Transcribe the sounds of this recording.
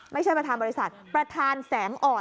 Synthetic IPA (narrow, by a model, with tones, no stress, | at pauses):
ma˥˩t͡ɕʰa˥˩pɾa˧t̪ʰaː˧nbɔː˧i˦˥sa˨˩t̪̚pɾa˧t̪ʰaː˧nsɛː˩˦ŋʔɔː˨˩